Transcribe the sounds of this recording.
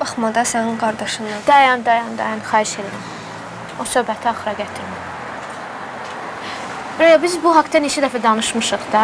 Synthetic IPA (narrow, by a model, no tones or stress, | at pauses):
b̥ɑχmɑd̪ɑsæniŋɡɑɾd̪ɑʃɯnd̪ɑd̪̥ɑjɑnd̪ɑjɑnd̪ɑjɑnxɑːhiʃe̞liɾæm | osøːbæt̪ʰiɑxɾɑɡæt̪ʰiɾmi | bɾojabizbuɦɑkt̪ɑnet͡ʃʰæd̪æfæd̪ɑnɯʃmɯʃɯχd̪ɑ